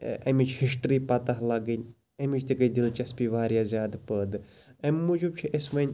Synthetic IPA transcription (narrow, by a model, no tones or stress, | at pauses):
ɐmit͡ʃʰhiʃʈɾiːpɐt̪ɐɦlɐɡɐnʲ | ɐmit͡ʃt̪ikɐid̪ilt͡ʃɐspiʋaːɾjaːzʲjaːd̪pəːd̪ɨ | ɐmːud͡ʒub̚t͡ʃʰiesʋɐnʲ